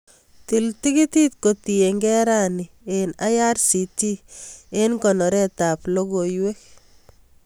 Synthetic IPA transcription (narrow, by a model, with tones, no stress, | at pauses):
ti˨lti˦ɡi˦ti˦t̪̚ko˨t̪i˨e˨ŋɡɛ˦ɾa˦ni | ena˦ja˦rsi˨ti˦e˦nkɔ˨nɔ˨ɾɛ˦ta˨plo˦ɡo˨jwe˦k̚